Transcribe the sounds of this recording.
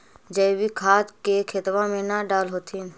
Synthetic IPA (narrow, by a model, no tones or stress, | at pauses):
d͡ʒəbikʰaːd͡ʒkekʰɪt̪ʋãmẽnaɖaːlɦoːt̪ʰiːn